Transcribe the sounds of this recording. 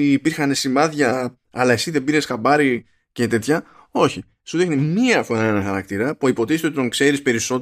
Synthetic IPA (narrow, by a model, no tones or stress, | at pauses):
iːpiɾxɐne̞simɐðʝɐ | ɐlɐe̞siðe̞biɾe̞sxɐbɐɾi | ce̞t̪e̞t̪çɐ | o̞çi | suðinimiɐfonɐenoxɐɾɐk̚t̪iɾɐpuipo̞t̪ist̪eot̪t̪o̞ŋkse̞ɾispe̞ɾiso̞